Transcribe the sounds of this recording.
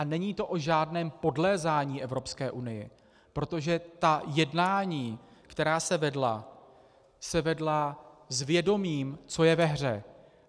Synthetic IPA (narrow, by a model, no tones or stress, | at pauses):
ʔanɛɲiːt̪o̞ʔoʒaːdnɛːmpo̞dlɛːzaːɲiːʔɛvɾo̞pskɛːʔunɪjɪ̰ | pɾo̞t̪o̞ʒɛt̪ajɛdnaːɲiːkt̪ɛɾaːsɛvɛdla | sɛvɛdlazvjɛdo̞miːmt͡so̞jɛvɛɦr̝ɛ